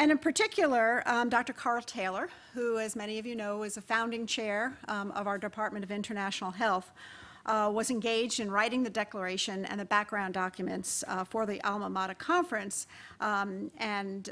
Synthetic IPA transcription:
ɨ̃ñɨ̃npʰə˞tʰɪkʰjl̩ˠə˞dɑk̚tə˞kʰɑɹlˠtʰeɪlˠə˞ | huɨzmɛɾ̃iʌvjɨnoʊɪzɨfãʊ̃ndɪ̃ŋt͡ʃʰɛɹʌvaʊə˞dɨpʰɑɹt̚mɨ̃ɾ̃ʌvɪ̃ntə˞næʃnl̩ˠɦɛlˠθ | wʌzɨ̃nɡeɪd͡ʒdɨ̃nɹaɪɾɪ̃ŋðɨdɛklə˞eɪʃɨ̃nɨ̰̃nðɨbæk̚ɡ̥ɹãʊ̃ndɑkʰjɨmɨ̃ntsfə˞ðiʔælˠməmɑɾɨkʰɑ̃ɱfɹɨ̃ns | ɨ̃n

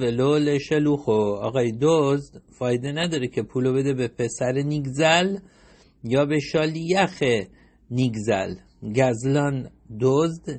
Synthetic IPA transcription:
veloleʃeluxoɒ̰ɣɒːjed̪ozd̪fɒːjed̪e̞næd̪ɒːɾekʰe̞pʰuːlobe̞d̪e̞bepʰe̞sæɾeniɡzæl | jɒːbeʃɒːlijæxe | niɡzæ̰l | ɟæzlɒːn | d̪ozd̪̥

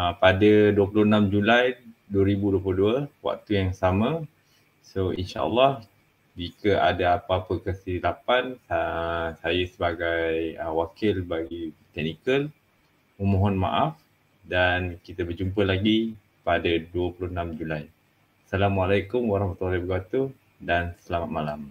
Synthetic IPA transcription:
padaduəpulʊhnãmd͡ʒulajduəɾibuduəp̬ulʊduəwa̰ʔ̚t̪ujaŋsamã | soḭnʃa̰ʔə̰lːɑh | d͡ʒikəʔa̰daapaapəkəsilapansasajasəbaɡajəwakɪlbaɡit̪ɛk̚nikəl | əmɔ̃ɦɔnma̰ʔaf | dankit̪abərd͡ʒump̬əlaɡi | padaduəpulʊənamd͡ʒulaj | salamualajkʊmwaɾɑhmat̪ualibəkat̪u | dansəlamat̪̚malam

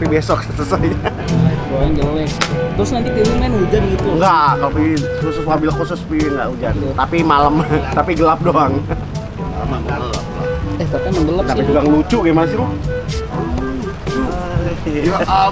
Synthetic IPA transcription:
pibesɔk̚səsəsaɲa | boaŋɡəlɛkt̪ɾʊsnant̪it̪imiŋanud͡ʒanɡit̪uŋɡakalopii | kɔsuswabilakosɔspiŋɡa̰ʔud͡ʒant̪apimaləmt̪apiɡəlap̚doaŋ | almaalɛt̪apiməŋɡəlapt̪apid͡ʒuɡaŋəlut͡ʃʊʔɡemansiɔ

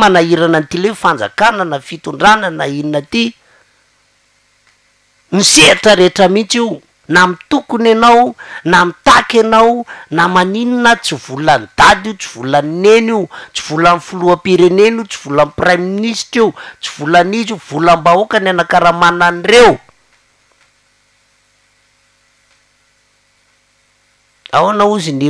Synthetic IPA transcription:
manaiɾanant̪ilefand͡za̰kanənafit̪uɳɖ͡ʐanənaininət̪i | niseaʈ͡ʂəɾeʈ͡ʂəmit͡siw | namit̪ukunanawnamit̪akanawnamanininət͡siv̥ulant̪ad̪iut͡si̥v̥ulanneniut͡si̥v̥ulanifuluapiɾenenit͡si̥v̥ulamprajminisʈiwt͡si̥v̥ulanizuv̥ulambaokananakaɾamananirew | awanauzini

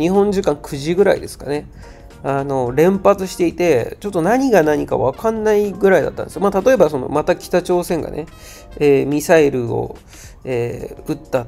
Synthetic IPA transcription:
ɲihõ̞ɲ̟d͡ʑɨkãŋkʰɯ̟ʑiɡɯ̟ɾa̰ḭd̪e̞sɨ̥kane̞ | ano̞ɾẽ̞mpat͡sɨɕi̥t̪e̞it̪e̞t͡ɕo̞t̪ːo̞naɲ̟iɡanaɲ̟ika̰βakãnːaiɡɯ̟ɾaid̪a̰t̪ːa̰nd̪eɨjomaːt̪at̪o̞e̞baso̞no̞̰mat̪akʲi̥t̪at͡ɕo̞ːsẽ̞ŋɡa̰ne̞̰ | eːmʲisaiɾɯ̟o̞̰ | eːɯ̟t̪ːa

